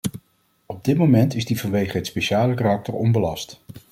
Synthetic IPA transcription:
ɔb̚dɪt̚momɛntɪzdivɑnʋejχəɦətspeʃaːləkarɑk̚təɹɔnbəlɑst

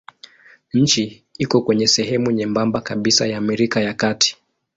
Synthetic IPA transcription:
ɲ̩t͡ʃi | ikɔkwɛɲɛsɛɦɛmuɲɛmbambakaɓisajaːmɛɾikajakatʰi̥

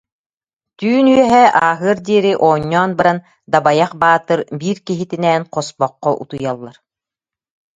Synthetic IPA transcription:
t̪yːnyɛɦɛʔaːɦɯɐɾd̪iɛɾiʔɔːɲːɔːnbaɾan | d̪abajaχbaːt̪ɯɾbiːɾkiɦit̪inɛːnqɔspɔqːɔʔṵt̪ujalˠːaɾ

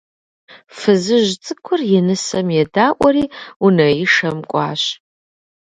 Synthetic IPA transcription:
fɨzɨʒt͡sʼɨkʷʰʊrjɛnɨsɐmjɛdaːʔʷʼɔɾiːunɐjɪʂɐmkʷʼɑ̰ːɕ

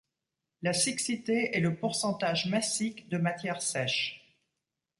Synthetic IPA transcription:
lasiksit̪eɛləpuʁsɑ̃t̪aʒmasikd̪əmat̪jɛʁsɛʃ

